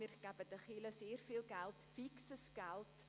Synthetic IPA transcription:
irkapətəχiləsiərfiːlˠɡælˠtfiksəsɡælˠt

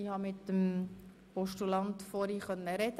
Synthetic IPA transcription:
ihɑmɪtːəm | pɔʃtulɑnt̪fɔɾiχœnːəɾɛd̥̪

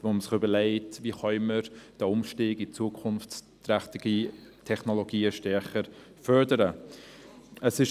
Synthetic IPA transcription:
voːməsɪχʏbəleɪtviχœʏməɾd̥əʊmʃtiːɡit͡suəkʰʊnft͡s | tɾæχtɪɡ̥itʰɛχnoloɡiːəʃtɛɾχəɾ | fœɾdəɾə | əsɪʃ

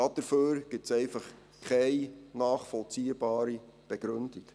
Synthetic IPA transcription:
ɑd̥əɾføːɾɡ̥ɪtsɛɪfɑχ | kʰɛjnaːχfɔlt͡siːəbɑːɾib̥ɛɡ̥ɾɵndik

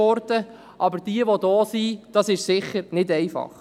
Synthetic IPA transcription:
ɔɾdə | ʔɑbəɾd̥iəʋodɔːsid̥ɑsɪʃsɪχəɾnɪdɛɪfɑ̰χ

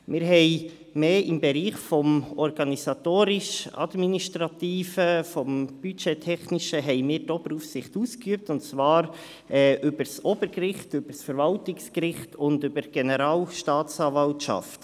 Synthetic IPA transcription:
mɪːɾɦɛɪ | meːɪmbɛɾiːχfɔmɔɾɡɑnisɑt̪oːɾɪʃɑ̰dminiʃtɾɑtiːfəfɔmb̥yt͡ʃɛtʰɛχnɪʃəɦɛɪmɪːɾtɔpəɾufsɪχtuːskyəp̚tʊnt͡svɑːɾ | ɛːʔʏbəɾsɔbəɾkrɪχtʏb̥əɾsfəɾvɑltɪkskɾɪχtʊndʏbəɾɡ̥ɛnəɾɑːlʃtɑːt͡sɑːvɑltʃɑ̰ft

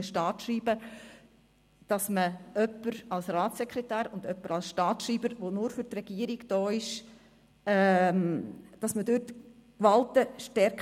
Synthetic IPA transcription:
əʃtɑːtʃriːbə | d̥ɑsməœpːəɾɑlsɾɑːtsɛkʰɾɛtæːɾʊndœpːəɾɑlsʃtɑːtʃriːbəɾʋonʊɾfʏtrɛɡ̥iəɾiɡd̥ɔːɪʃ | ɛmd̥ɑsmədøtkʋɑltəʃtɛɾk

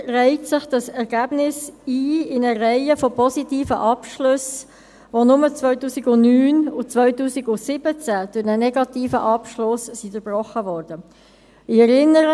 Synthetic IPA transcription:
rɛɪtsɪχd̥ɑsɛɾɡ̥æːb̥nɪsiːɪnərɛɪəfɔpɔzitiːfəʔɑpʃlʏs | vonʊmət͡svœʏtuːsiɡʊnyːnʊt͡svœʏtuːsiɡʊsɪb̥ət͡sæd̥ʊʁnənɛɡɑtiːfəʔɑpʃlʊssidəb̥rɔχəvɔrd̥ə | ɪɛɾɪnːəɾə

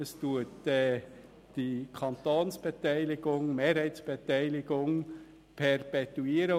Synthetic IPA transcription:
əstuətɛ | d̥ikʰɑnt̪oːnsb̥ɛtɛɪlɪɡ̥ʊŋmeːɾhɛɪtsb̥ɛtɛɪlɪɡʊŋ | pʰɛɾpɛt̪uiːɾə

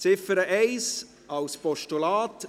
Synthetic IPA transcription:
t͡sɪfəɾəʔɛɪs | ɑwspɔʃtulaːt

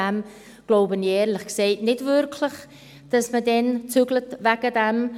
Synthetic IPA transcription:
ɛm | ɡ̥loʊbənjɛːɾləχkseːtnɪtvʏɾkʰləχ | d̥asmədɛnt͡syɡlətvɛɡədɛm

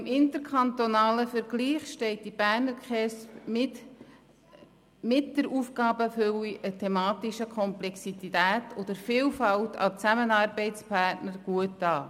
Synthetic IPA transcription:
ɪmɪnt̪əɾkʰɑnt̪onɑːləfəɾɡ̥liːχʃtɛɪt̚d̥ib̥æːɾnəɾkχɛs | mɪt̚d̥əɾuːfɡɑːbəføliʔətʰɛmɑːtiʃəkʰɔmplɛksititæːtʰod̥̪əɾfiːlfɑltʰɑ̰t͡sæmənɑːɾbɛɪtt͡spʰɑrtnəɾɡ̥uətdɑː

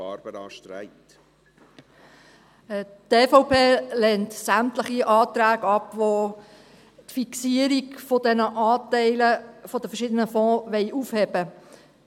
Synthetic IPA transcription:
ɑːɾb̥əɾɑːʃtɾɛ̰ɪt | teːfɔʊpʰeːlɛntsæmtləχiʔɑːt̪ɾæːɡɑpʋo | tfiksiəɾiɡfɔdɛnəʔɑːtɛɪləfɔd̥əfəʃɪd̪ənəfɔ̃ːʋɛɪʔufhɛb̥ə

